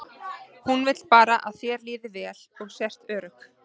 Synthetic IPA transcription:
hunvɪt̪lpaːɾaʔaðθjɛɾliːðɪvɛːl̥ɔɣsɛr̥t̪œːɾʏk

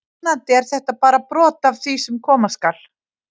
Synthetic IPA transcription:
nat̪ɛɾ̥θɛht̪apaːɾapɾɔːt̪avθisʏmkʰɔːmaskal

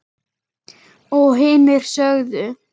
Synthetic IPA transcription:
ɔɣɦɪːnɪɾ̥sœɣðʏ

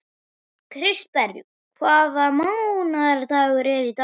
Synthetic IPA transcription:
kʰɾɪst̪̚pɛɾvjṵ | kʰvaːðamawnaðɛɾt̪aːɣʏɾɛɾit̪a

